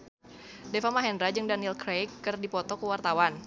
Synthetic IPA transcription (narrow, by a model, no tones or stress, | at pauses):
defamaɦɛndɾad͡ʒɨŋdanilkɾejkːɨrdipɔt̪ɔkəwart̪awan